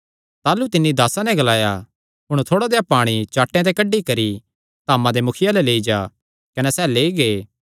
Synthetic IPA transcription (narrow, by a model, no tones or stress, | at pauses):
t̪aːlut̪ɪnːid̪aːsanɛɡɐlaːja | ɦʊɽ̃t̪ʰoːɽad̪ejapaːɽ̃it͡ʃaːʈːẽt̪ekɐɖikɐɾi | t̪aːmãd̪emʊkʰɪjalɛleːid͡ʒaː | kɐnɛsɛːleːiɡeː